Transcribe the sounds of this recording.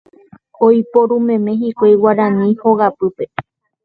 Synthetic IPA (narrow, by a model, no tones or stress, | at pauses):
ojpoɾũmẽ̞mẽɦikʷejwaɾãnĩhoɣapɨpe̞